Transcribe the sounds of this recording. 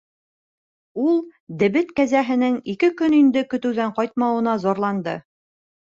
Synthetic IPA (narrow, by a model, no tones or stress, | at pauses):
ulˠd̪ɘ̆βɘt̪kæzæɦɘ̆nɘŋikɘkɵnind̪ɘkɵ̆t̪ɘ̆wðæɴqɒjt̪̚mɑwɤ̆nɑzɒɾlˠɑnd̪ɤ